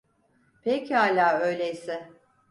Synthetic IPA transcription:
pʰechaːlʲaːø̞jlʲejsɪ

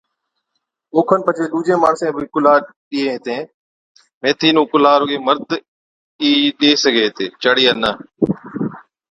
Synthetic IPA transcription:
oːkʰənpət͡ʃʰeːɗuːd͡ʒẽːmaːɳsẽːbʱikʊlaːɾ | ɗieːɦɪt̪ẽː | mẽːt̪ʰiːnũːkʊlaːɾʊɡeːməɾd̪ʱ | iːɗeːsəɡʱeːɦt̪eːt͡ʃəɽiːənə

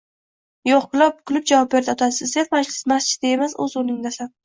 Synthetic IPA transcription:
joqkʰʊlˠɒp̚kʰʊlˠʊp̚d͡ʒavɒp̚be̞ɾɪɒt̪ʰasɪzd̪eɾmad͡ʒlɪsmast͡ʃʰɪ̥t̪aemasɵ̰zolɪŋd̪asan

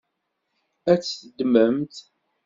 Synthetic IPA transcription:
æt͡sːəd̪məmt̪

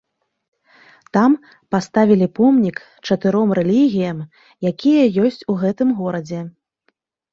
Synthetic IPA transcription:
t̪am | past̪avʲilʲipɔmnʲik | t͡ʂɐt̪ɨɾɔmrɛlʲiɣʲijɐm | jakʲʰijɐjɔsʲt͡sʲuɣɛt̪ɨmɣɔɾɐd͡zʲɛ

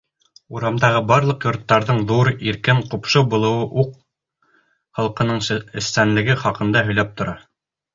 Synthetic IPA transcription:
uɾɑmd̪ɑʁɤbɑɾlˠɤ̆qjŏɾt̪ːɑɾðɤɴðuɾiɾkɘɴqupʃɤbulˠɤ̆wɤʔuq | χɑlˠqɤ̆nɤɴɘ̆st̪ænlɘ̆ɡɘχɑqɤ̆nd̪ɑɦɵ̆jlæp̚t̪ŏɾɑ

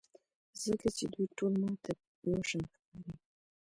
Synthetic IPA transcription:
zəkat͡ʃed̪ujʈʰolmɑt̪ʰa | ɑʂanxkɑɾi

